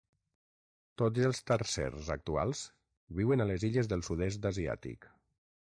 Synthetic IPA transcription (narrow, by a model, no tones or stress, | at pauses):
t̪od͡zəlˠst̪əɾsɛ̰rzə̰k̚t̪ua̰lˠz̥ | βiwənaləziʎəzðəlˠsuðɛs̬d̪əzia̰t̪ḭk